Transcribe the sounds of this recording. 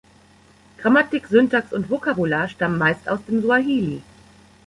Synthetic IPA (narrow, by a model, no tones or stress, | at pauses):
ɡ̥ʁamatɪkz̥ɔntaːksʊntv̥okabulaːɐʃtamənmaɪsta̰ʊsd̥eːmzuaɦiːli